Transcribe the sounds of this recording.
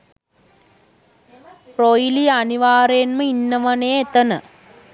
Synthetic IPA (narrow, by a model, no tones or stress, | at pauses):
projilijɐɐniʋaːɾeːnmɐinːɐʋɐneːet̪ːɐnɨ̰